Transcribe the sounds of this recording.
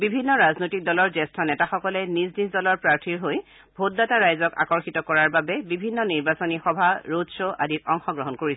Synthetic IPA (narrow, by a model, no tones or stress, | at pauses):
bibʱinːɔɹaznojtik̚dɔlɔɹzɛstʰɔnɛtaxɔkɔlɛniznizdɔlɔɹpɹaɹtʰiɹɦoj | bʱot̚dataɹajzɔka̰kɔɹxitɔkɔɹaɹbabɛbibʱinːɔniɹbasonixɔbʱaɹodsoʔa̰dit̚ɔŋxɔɡɹɔɦɔnkoɹisɛ